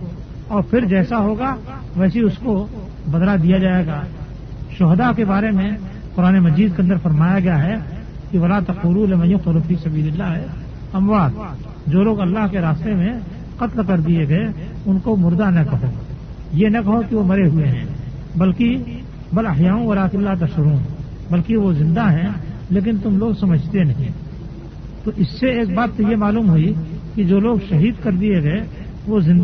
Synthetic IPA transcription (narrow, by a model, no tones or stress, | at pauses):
ɔːɾpʰɪɾd͡ʒɛːsaɦoːɡa | ʋɛːsiʊsko | bɐd̪lad̪ijad͡ʒaːeːɡaː | ʃʊɦd̪akebaːɾemẽ | qʊɾaːnemɐd͡ʒiːd̪̚keɐ̃nd̪əɾfɐɾmaːjaɡɐjaɦɛ | kiʋɐlaːt̪ɐquːɾulemɐjʊqʊɾʊfisɐbiːlɪlːaɦɛ | ɐmwaːd̪̚ | d͡ʒoːloːɡɐlːaːɦkeɾaːst̪emẽ | qɐt̪lkɐɾd̪ieɡeː | ʊnkomʊɾd̪anɐkɐɦoː | jenɐkɐɦokiʋomɐɾeɦʊeɦɛ̰̃ː | bɐlki | bɐlɐɦjaːʊ̃wɐlaːt̪ɪlːat̪ɐʃʊɾuːn | bəlkiʋozɪ̃nd̪aɦɛ̃leːk̬ɪnt̪ʊmloːɡsɐməd͡ʒʱt̪enɐɦĩ | t̪oːʔɪsːeeːkbaːt̪sojemaːluːmɦʊikid͡ʒoːloːɡʃɐɦiːd̪kɐɾd̪ieɡɐe | ʋozɪ̃n